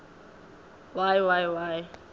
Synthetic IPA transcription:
wajwajwaj

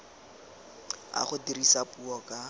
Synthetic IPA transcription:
a̰χʊdirisapuɔkʼa

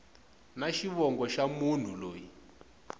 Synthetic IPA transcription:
naʃiβɔŋɡɔʃamun̤uloːji

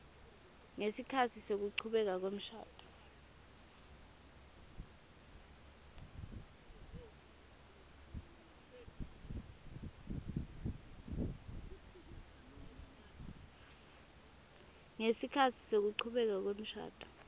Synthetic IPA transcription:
ŋesikʰatʰisok̬uǀʰuɓɛk̬ak̬wem̩ʃa̰ːtʼɔ̥ | ŋesikʰatʰi̥sok̬uǀʰuɓɛk̬ak̬wem̩ʃa̰ːd̥ʱʼɔ̥

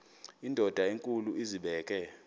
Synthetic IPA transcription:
indʱɔd̥ʱaeŋkʼuluiziɓɛːk̬ʼɛ

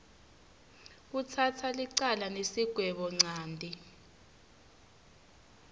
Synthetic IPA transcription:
k̬utʰatʰaliǀalanesiɡ̥ʱwɛɓɔŋ͡ǀaːndʱi

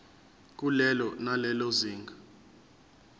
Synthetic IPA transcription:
k̬ʼulɛlɔnalɛloziːŋɡʱa

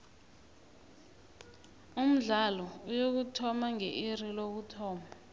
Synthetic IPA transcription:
um̩ɮalɔujok̬utʰɔmaŋɛʔirilok̬utʰɔːma

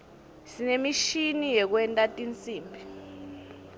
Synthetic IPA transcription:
sinemiʃinijɛk̬wɛntʼatʼint͡sʼiːmbʱi

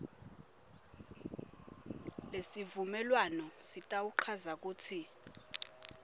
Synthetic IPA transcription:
lesivumɛlwanɔsitʼawuǃʰazak̬uːtʰi

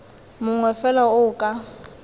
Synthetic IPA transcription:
mʊŋwɛfɛlaʊkʼa

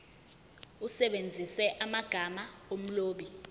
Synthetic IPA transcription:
usɛɓend͡zʱisɛʔamaɡ̥ʱamaom̩loːɓi

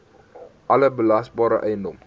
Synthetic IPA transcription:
ʔaləbəlasbɔːɾəʔɛjnom

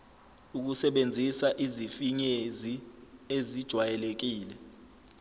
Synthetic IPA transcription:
uk̬usɛɓend͡zʱisaʔizifiɲeziezid̥ʒ̥ʱwajɛlek̬iːlɛ

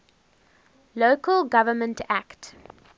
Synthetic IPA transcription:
loːkəlɡavəmə̃ntʰækt

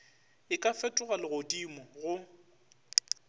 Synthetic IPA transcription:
ɪkʼafɛtʼʊɣalɪɣodimɔɣʊ

